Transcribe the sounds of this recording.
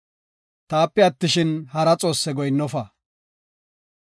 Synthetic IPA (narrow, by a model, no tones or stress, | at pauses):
t̪aːpːɛɐt̪ːɪʃɪnhɐɾɐt͡sʼo̞ːsːɛɡɔjnːɔfɐ